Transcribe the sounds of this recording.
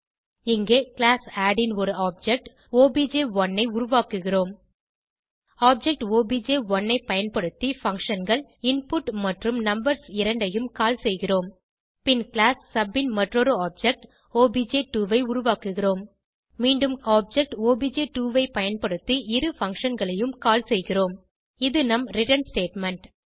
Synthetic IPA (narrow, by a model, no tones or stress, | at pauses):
ɪŋɡeːklaːsaːɽɪnɔɾɯaːp̚d͡ʒɛk̚ʈ | oːbid͡ʒeːʋɔnːɐɪʊɾʊʋaːkɯɣɪroːm | aːp̚d͡ʒɛk̚ʈoːbid͡ʒeːʋɔnːɐɪpɐjɐnpɐɽɯt̪ːifɐŋkʂɐnɡɐɭɪnpʊʈmɐʈrɯmnɐmbɐɾsɪɾɐɳɖɐjɯmkaːlsɛjɣɪroːm | pɪnklaːsːɐbɪnmɐʈrɔɾɯaːp̚d͡ʒɛk̚ʈ | oːbiːd͡ʒeʈuːʋɐɪʊɾʊʋaːkɯɣɪroːmː | iːɳɖɯmaːp̚d͡ʒɛk̚ʈoːbiːd͡ʒeːʈuːʋɐɪpɐjɐnpɐɽɯt̪ːiɪɾɯfɐŋkʂɐnɡɐɭɐjɯmkaːlsɛjɣɪroːm | ɪðɯnɐmɾɪʈɐnsʈeːʈmɛɳʈ